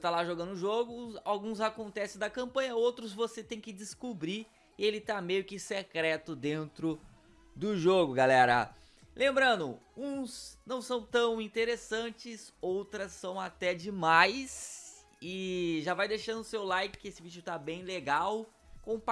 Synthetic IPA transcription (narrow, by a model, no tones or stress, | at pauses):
t̪alaʒoɡɐ̃nd̪ʊʒoɡʊawɡũzakõnt̪ɛsẽd̪ɐkɐ̃mpɐ̃jɲɐowt̪ɾʊzvoset̪ẽj̃kɪd͡ʒɪskubɾi | ɪelɪt̪amejʊkɪsekɾɛt̪ʊd̪ẽnt̪ɾʊ | d̪ʊʒoɡʊɡalɛɾɐ̰ | lʔẽmbɾɐ̃nd̪ʊ | ũsnɐ̃w̃sɐ̃w̃t̪ɐ̃w̃ĩnt̪eɾesɐ̃t͡ʃɪsowt̪ɾɐsːɐ̃w̃at̪ɛd͡ʒɪmajs | ɪʒavajd̪ejʃɐ̃nd̪ʊsewlajkɪ̥kɪesɪvid͡ʒʊt̪abẽj̃leɡaw | kõp